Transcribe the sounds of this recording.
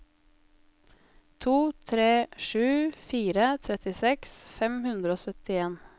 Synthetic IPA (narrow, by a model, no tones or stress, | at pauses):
t̪ʰuːt̪ʰɾeːʂʉːfiːɾət̪ʰɾɛt̪ɪsɛksfɛmhʉnd̪ɾəoːsœt̪ɪeːn